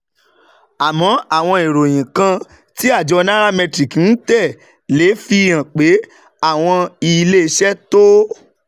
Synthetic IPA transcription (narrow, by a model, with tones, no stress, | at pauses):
a˨mɔ̃˨˦a˦˨w̃ɔ̃˧e˨ɾo˨j̃ĩ˨kã˧ | ti˦a˦˨d͡ʒɔ˧nã˦ɾa˦mɛ̃˧tɾi˨kn̩˦tɛ˦˨ | le˨˦fi˧jã˨k͡pe˨˦ | a˦˨w̃ɔ̃˧i˧le˦˧ʃɛ˦to˦